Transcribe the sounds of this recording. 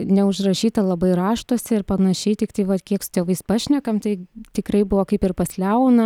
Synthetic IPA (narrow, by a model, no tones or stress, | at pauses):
nʲɛʊʃrɐʃʲiːt̪ɐlˠɐbɐɪɾɑːʃt̪oːsʲɪɪɾpɐnɐʃʲɛɪt̪ʲɪkt̪ɐɪʋɐt̪kʲiɛksʊ̥t̪ʲeːʋɐɪspɑːʃʲnʲɛkɐmt̪ɐɪt̪ʲɪkɾɐɪbʊʋoːkɐɪpɪrpɐsʲlʲɛʊnɐ